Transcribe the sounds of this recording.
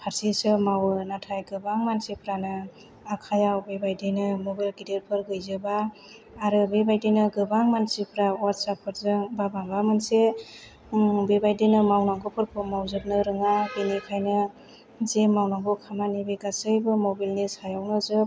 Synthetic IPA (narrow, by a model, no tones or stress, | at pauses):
pʰaɾsisɯmawɯnatʰajɡɯbaŋmansepʰɾanɯ | akʰajawbebajdɯjnɯmɔbalɡideɾpʰɯɾɡɯjzɯbaː | ɾɯbebajdɯjnɯɡɯbaŋmansipʰɾawatsapʰɯɾzɯŋbabaŋbamanse | bebajdɯjnɯmawnaŋɡopʰɯɾpʰɯmawzɯk̚nɯɾɯŋabenekʰajnɯ | zemawnaŋɡɔkʰamanibeɡasɯjbɯmɔbilnisajawnɯzɯ